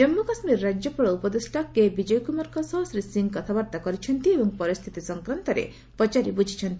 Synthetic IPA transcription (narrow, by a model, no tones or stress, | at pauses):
d͡ʒɔmːukasmiɾːad͡ʒjɔpɔɾɔupɔd̪esʈakːebid͡ʒɔjkumaɾkɔsɔɦsɾisiŋkɔt̪ʰabaɾt̪akɔɾit͡ʃʰɔnt̪iebɔŋpɔɾist̪ʰit̪isɔŋkɾant̪ɔɾḛ | pɔt͡ʃaɾibud͡ʒʱit͡ʃʰɔnt̪i